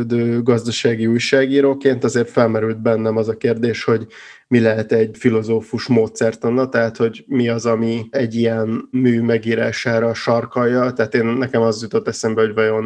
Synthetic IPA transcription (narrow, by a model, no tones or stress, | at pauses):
d̪øːɡɒzd̪ɒʃaːɡiujʃaːɡiːɾoːkeːnt̪ɒzeːrt̪fɛlmɛɾylt̪̚bɛnːɛmɒzɒkeːrd̪eːʃho̞ɟmilɛɦɛt̪ɛɟfilo̞zoːfuʃmoːt̪sɛrt̪onːɒt̪ɛɦat̪ho̞ɟmiɒzɒmiɛɟːijɛnmyːmɛɡiːɾaːʃaːɾɒʃɒrkɒjːɒt̪ɛɦːt̪eːnːɛkɛmɒzjut̪o̞t̪ːɛsɛmbɛhoɟvɒjo̞n